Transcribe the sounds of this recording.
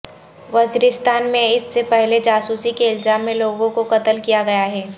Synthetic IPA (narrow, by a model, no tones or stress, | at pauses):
ʋɐziːɾɪst̪aːnmẽɪsːepɛɦled͡ʒaːsuːsikeɪlzaːmːẽloːɡõkoqɐt̪əlkijaɡɐjaɦɛː